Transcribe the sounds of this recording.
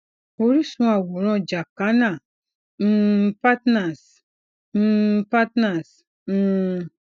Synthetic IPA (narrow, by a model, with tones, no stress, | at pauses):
o˨˦ɾi˦sũ˦a˨wo˨ɾɔ̃˦˨d͡ʒa˨ka˨˦nã˨ | m̩˦pa˦tna˨s | m̩˦pa˦tna˨s | m̩˦